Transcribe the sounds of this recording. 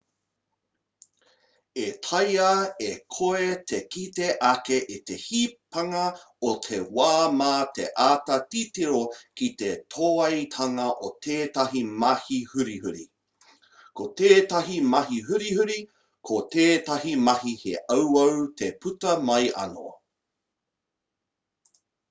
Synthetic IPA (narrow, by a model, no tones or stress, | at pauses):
etʰɐjɐekʰoetʰekiteʔakeʔite̞hipɐŋɐ | otʰewaːmaːtḛʔaːtɐtitiɾokit̪etʰoːɐjtʰɐŋɐʔotʰeːtɐɦimɐhihʉɾihʉɾḭ | kʰoteːtɐɦimɐɦiɦʉɾihʉɾi | kʰoteːtɐɦimɐɦihḛʔɐwɐwtʰeputɐmɐjɐ̰no̰